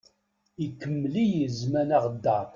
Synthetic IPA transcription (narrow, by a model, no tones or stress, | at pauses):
ikːəmːlijəzmænaʁd̪ːa